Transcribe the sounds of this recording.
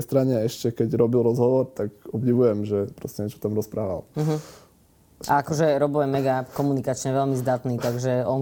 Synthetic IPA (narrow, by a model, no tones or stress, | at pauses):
jst̪ɾaɲɛɛʃcɛkɛɟɾɔbilɾɔzɦɔʋɔɾt̪akɔbɟiʋujɛmʒɛpɾɔscɛɲɛt͡ʃɔ̥t̪amɾɔspɾaːʋa̰lm̩ɦ̩ | ʔa̰akɔʒɛɾɔbɔɛmɛɡapkɔmunikat͡ʃɲɛʋɛlmizd̪at̪nit̪aɡʒɛɔn